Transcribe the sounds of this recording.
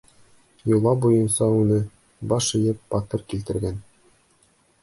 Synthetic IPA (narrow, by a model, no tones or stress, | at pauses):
julˠɑbujɤ̆nsɑʉnɘ | bɑʃɘ̆jɘpːɑt̪ɤ̆rkilt̪ɘ̆ɾɡæn